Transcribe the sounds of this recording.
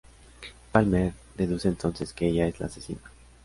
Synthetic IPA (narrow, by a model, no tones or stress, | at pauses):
palmeɾ | d̪e̞ðuseːnt̪o̞nse̞skeeʝae̞zla̰ːsesina